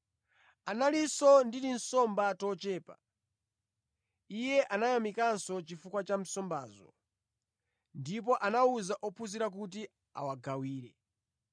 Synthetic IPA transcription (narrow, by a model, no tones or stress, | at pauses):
analisɔndiɾin̩sɔmbatɔt͡ʃɛːpa̰ | ijɛʔanajamikansɔt͡ʃifukwat͡ʃam̩sɔmba̰ːzɔ̰ | ndip̬ɔʔanauzaʔɔpʰusiɾak̬ut̬i | a̰waɡawiːɾɛ